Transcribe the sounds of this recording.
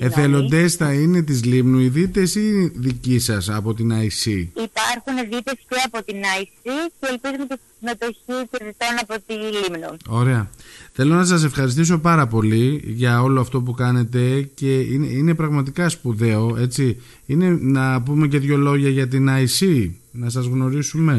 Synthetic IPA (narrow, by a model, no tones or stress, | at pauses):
eθe̞lo̞nd̪e̞sθɐinet̪̬izlimnuiðit̪e̞siðicisɐsɐpo̞t̪inɐisiipɐɾxuneðit̪esceɐpo̞t̪inɐisiceːlpizumecest̪i̥simet̪o̞çiteðit̪o̞nɐpo̞t̪ilimnuo̞ɾe̞ɐθe̞lo̞nɐsɐse̞fxɐɾist̪iso̞pɐɾɐpo̞liʝɐo̞lo̞ɐft̪o̞p̬ukɐne̞t̪e̞ce̞inḛine̞pɾɐɣmɐt̪ikɐspuðe̞o̞e̞t͡si | ine̞nɐp̬ume̞ce̞ðʝo̞lo̞ʝɐʝɐt̪̬inɐisinɐsɐzɣno̞ɾisume̞